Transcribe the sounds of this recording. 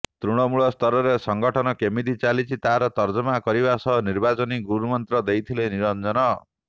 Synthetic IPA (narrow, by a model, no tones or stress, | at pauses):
t̪ɾuɽ̃ɔmuɭɔst̪ʰɔɾɔɾesɔŋɡɔʈʰɔnɔkemid̪it͡ʃalit͡ʃʰit̪aaɾɔt̪ɔɾd͡ʒɔmakɔɾibasɔɦɔniɾbat͡ʃɔniɡuɾumɔnt̪ɾɔd̪ejt̪ʰileniɾɔnd͡ʒɔnɔ